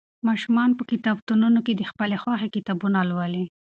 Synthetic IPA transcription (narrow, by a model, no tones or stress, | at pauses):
mɑʃumɑnpəkit̪ɑbt̪ununoked̪əxpəlexwɑxekit̪ɑbunalwəli